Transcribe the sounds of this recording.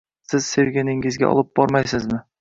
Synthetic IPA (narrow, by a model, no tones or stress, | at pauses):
sɪz̥se̞wɡʲanɪŋɪzɡʲa̰ʔɒ̰lˠɪp̚b̥ɒɾmajsɪzmɪ